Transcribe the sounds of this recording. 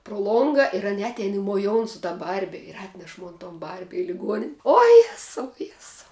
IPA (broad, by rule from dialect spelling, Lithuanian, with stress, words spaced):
proː ˈlˠoːŋɡɐ ɪr ˈɑːnʲɛ ˈɑːtʲɛɪn ɪ moːˈjoːʊn sʊ tɐ ˈbɐrʲbʲɪ ɪr ˈɑːtʲnʲɛʃ ˈmoːn toːn ˈbɐrʲbʲɪ ɪ lʲɪˈɡuɔnʲ oː ˈjæːsɐʊ ˈjæːsɐʊ